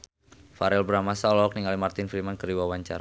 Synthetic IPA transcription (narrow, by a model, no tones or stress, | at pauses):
faɾɛlbəɾamasalɔɔk̚niŋalimart̪ɪnfɾimankəɾdiwawaɲt͡ʃa̰ɾa